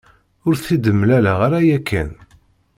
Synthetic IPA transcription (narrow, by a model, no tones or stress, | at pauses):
ʊɾθid̪əmːlælaʁaɾæjækʰːæ̰n